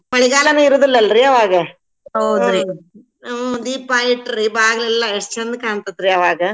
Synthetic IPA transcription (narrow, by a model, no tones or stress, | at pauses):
mɐɭiɡaːlɐnuiɾuːd̪ilːɐlɾiɐʋaːɡɐ | ɦɐwd̪ɾi | d̪iːpaːjiʈːɾibaːɡɐlilːɐeʂt͡ʃɐnd̪kaːɳt̪ɐd̪ɾiɐʋaːɡɐ